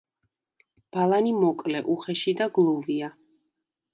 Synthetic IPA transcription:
b̥alˠanimɔkʼlɛʔuχɛʃid̪aɡlˠuvia

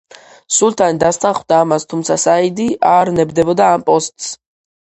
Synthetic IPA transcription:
sulˠt̪ʰand̪ast̪aχvd̪aːmast̪ʰumt̪sʰasaid̪iʔaɾnɛbd̪ɛbɔd̪aːmpʼɔst̪ʼs

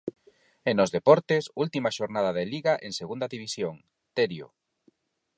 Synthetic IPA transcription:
enozðepɔɾt̪ɪsult̪imaʃoɾnaðaðeliɣaʔeŋseɣund̪ɐðiβ̞isjoŋ | t̪eɾjo̰

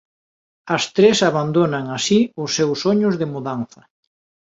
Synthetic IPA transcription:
ɐst̪ɾesaβand̪onaŋasiʊsːewsoɲʊzðɪmuðanθɐ

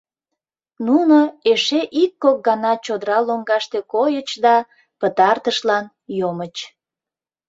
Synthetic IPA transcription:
nunoeʃeʔikːok̚ɡɑnɑt͡ɕod̪əɾɑloŋɡɑʃt̪ekojət͡ɕd̪ɑ | pət̪ɑrt̪əʃlɑn | jomət͡ɕ

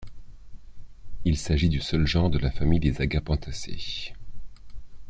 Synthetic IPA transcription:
ilsaʒid̪ysœlʒɑ̃ʁd̪əlafamijd̪ezaɡapɑ̃t̪ʰasḛ

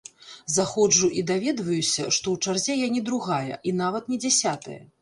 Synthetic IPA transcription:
zaxɔd͡ʐuʔid̪avʲɛd̪vɐjusʲɐʂt̪ɔwt͡ʂarzʲɛjanʲɛd̪ɾuɣajɐ̰ʔinavɐt̪nʲɛd͡zʲasʲat̪ɐ̰jɐ̰

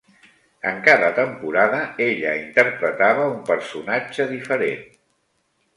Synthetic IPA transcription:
ə̰ŋkaðət̪əmpuɾaðəeʎəint̪əɾpɾət̪aβ̞əumpəɾsunad͡ʒəðifəɾḛn

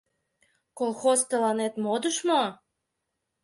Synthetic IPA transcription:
kolˠxost̪əlɑnet̪mod̪əʃmo

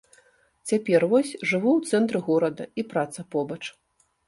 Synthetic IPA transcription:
t͡sʲapʲɛrvɔsʲʐɨvuwt̪sɛnt̪ɾɨɣɔɾɐd̪ɐipɾat̪sɐpɔbɐt͡ʂ

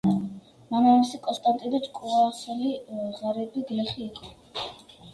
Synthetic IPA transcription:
manamisikʼɔnst̪ʼant̪ʼid̪at͡ʃʼkʼuasɛliʁaɾɛbiɡlɛχiːkʼɔ

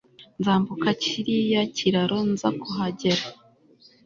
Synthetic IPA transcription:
nzaːmbukacʰiɾijaciɾaɾonza̰kuɦaɟeɾa

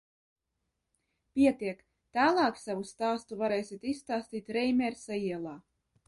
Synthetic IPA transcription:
pʲiɛt̪iɛk | t̪æːlˠɑːksavust̪aːst̪uvaɾɛjsʲit̪isːt̪aːst̪iːt̪ɾɛjmʲɛɾsaiɛlˠaː

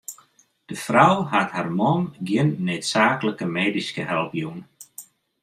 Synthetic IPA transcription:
d̥əfrawhatharmɔmɡjɪnːøːtsaːkləkəmeːdiskəhɛlˠpjun

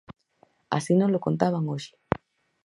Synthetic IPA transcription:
a̰sinõlokont̪aβaŋoʃi̥

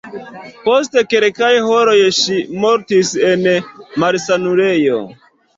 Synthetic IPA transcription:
po̞s̬te̞keɾkajhoɾo̞jʃimoɾtisenmaɾsanuɾejo̰

